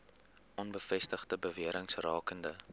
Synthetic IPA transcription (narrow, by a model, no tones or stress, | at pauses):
ʔɔnbəfɛstəχdəbəviəɾəŋsrɑːkəndə